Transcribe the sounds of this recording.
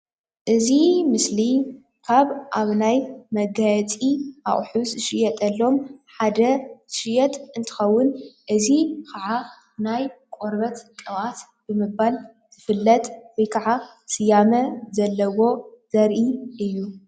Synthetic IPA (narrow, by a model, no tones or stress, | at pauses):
ʔɨzimɨsli | kʰaβʔaβnajmɐɡajt͡sʼiʔa̰χʼħusɨʃɪjɛt̪ʼɐlːo̞mħad̪ɐʃɪjɛt̪ʼɨnt̪ʰɨ̥xɐwːʊnʔɨzikʰaʕa | najkʼo̞ɾbɐt̪kʼɨwat̪ | b̥ɨmɨbal | z̥ɨfɨlːɐt̪ʼwɔjkʰaʕa | sɨjamɐzɐlːɐwo̞z̥ɐɾʔiʔɨjːu